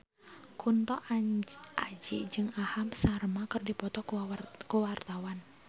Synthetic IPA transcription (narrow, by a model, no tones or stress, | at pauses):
kʰunt̪ɔʔ | a̰d͡ʒiʔd͡ʒɨŋahamsarmakɨrdipɔt̪ɔkuwart̪awan